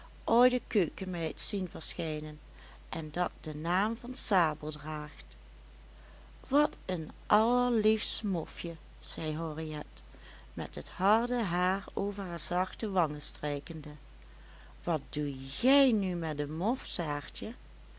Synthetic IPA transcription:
ʔojdəkøːkəmɛjtsinvəɹsxejnən | ʔɛndɑt̚d̥ənaːmvɑnsaːbəlˠdraːχt | ʋɑtənʔɑləɹlifsmɔfjə | z̥ɛjɦɔriɛt | mɛ̰tɦəthɑɹdəɦaːɹowvəɹɦaːɹzɑxtəʋɑŋəstrejkəndə | ʋɑt̚d̥ujɛjnymɛt̚dəmɔfsaːɹtə

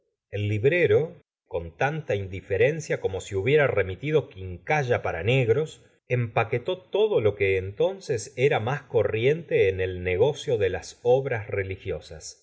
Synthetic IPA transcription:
elːiβɾe̞ɾo̞ | ko̞nt̪ant̪aind̪ife̞ɾe̞nsjako̞mo̞siuβje̞ɾare̞mit̪iðo̞kiŋkaʒapaɾa̰ne̞ɣɾo̞s | empake̞t̪o̞t̪o̞ðo̞lo̞keːnt̪o̞nseseɾamasko̞rje̞nt̪e̞ːnelneɣ̞o̞sjo̞ðe̞lasoβɾasre̞lixjo̞sas

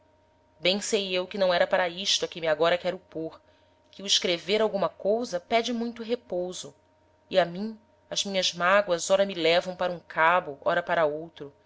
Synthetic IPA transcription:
bẽj̃sejewkɪnɐ̃w̃ɛɾɐpaɾɐiʃt̪ʊɐkẽmɪaɡɔɾɐkɛɾʊpoχ | kʰɪuiʃkɾeveɾawɡũmɐkowzɐpɛd͡ʒɪmũj̃t̪ʊɦepowzʊ | iamĩ | ɐzmĩɲɐzmaɡwɐzɔɾɐmɪlɛvɐ̃w̃paɾɐũkʰabʊʔɔ̰ɾɐpaɾɐowt̪ɾʊ

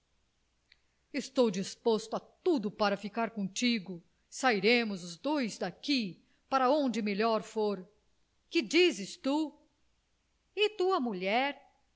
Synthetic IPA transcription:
ɪst̪owd͡ʒispost̪ʊat̪ud̪ʊpaɾɐfikaɾkõt͡ʃiɡʊ | saiɾẽmʊzʊzd̪ojzd̪aki | paɾɐõd͡ʒɪmeʎɔɾfoɾ | kɪd͡ʒizɪst̪u | ɪt̪uɐmuʎɛɾ

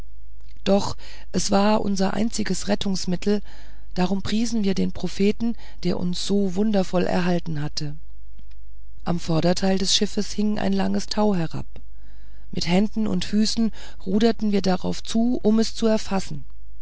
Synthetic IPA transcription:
d̥ɔχ | ʔɛsv̥aːɐʔʊ̰nzɐʔa̰ɪnt͡sɪɡəsʁɛtʊŋsmɪtʰl̩ | d̥aʁ̞ʊmpʁ̥iːzn̩viːɐdeːnpʁ̥ofeːtn̩ | d̥eːɐʔʊ̰nsz̥oːvʊndɐfɔlʔɛ̰ɐɦaltn̩ɦatʰə | ʔa̰mfɔɐɾɐtʰaɪldɛsʃɪfəshɪŋʔa̰ɪnlaŋəstʰaʊɦɛɐʁa̰p | mɪthɛndn̩ʊ̰ntfyːsn̩ | ʁuːdɐtn̩viːɐdaʁa̰ʊft͡suːʔʊmɛst͡suɛɐfasn̩

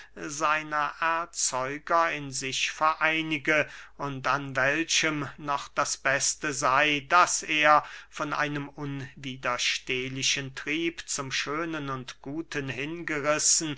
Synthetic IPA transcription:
zaɪnɐʔɛɐt͡sɔʏɡɐɪnzɪçfɛɐʔaɪnɪɡəʔʊntanvɛlʃəmnɔχd̥asb̥ɛstəzaɪdaseːɐfɔnʔa̰ɪnəmʔʊnviːdɐʃteːlɪʃəntʁ̥iːpt͡sʊmʃøːnənʊntɡ̥uːtʰənhɪnɡəʁɪsn̩

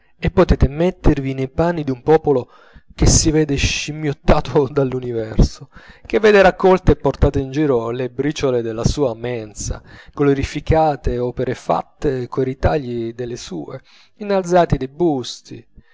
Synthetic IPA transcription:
epːot̪ɛːt̪emɛt̪ːervinejpanːid̪iumpɔːpolo | k̟esːivɛːd̪eʃimjot̪ːaːt̪ʰod̪alːunivɛrsokevːɛːd̪eɾakːɔlt̪eepːort̪aːt̪eind͡ʒiːɾolebɾiːt͡ʃoled̪elːasuːamɛnsa̰ɡ̥oloɾifikʰaːt̪eɔːpeɾefa̰t̪ːekoiɾit̪aʎːid̪elːesṵːe | inːald̪zaːt̪id̪ebust̪ḭ

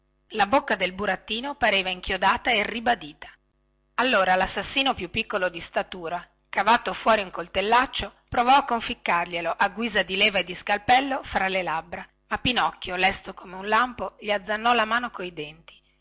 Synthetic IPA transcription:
labokːad̪elbuɾat̪ːiːnopaɾeːvaiŋkjod̪aːt̪aeribad̪iːt̪ḁ | alːoːɾalasːasːiːnopjupːikːolod̪ist̪at̪uːɾa | kavaːt̪ofwɔːɾiuŋkolt̪elːat͡ʃːopɾovɔakːoɱfikːarʎeloʔaɡːwiːzad̪ileːvaed̪iskalpɛlːofɾalːelabɾa | mapːinɔkːjolɛst̪okomeunlampoʎiad̪zːanːɔlamaːnokoid̪ɛnt̪i̥

